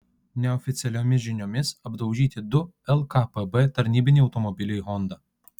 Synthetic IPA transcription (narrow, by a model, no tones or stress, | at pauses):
nʲɛɔfʲɪt̪sʲɛlʲoːmʲɪʒʲɪnʲomʲɪsɐbd̪ɒʊʒʲiːt̪ʲɪd̪ʊ | ɛlˠkɐpɛbɛt̪ɐɾʲnʲiːbʲɪnʲiːɒʊt̪ɔmɔbʲɪlʲɪɦɔnd̪ɐ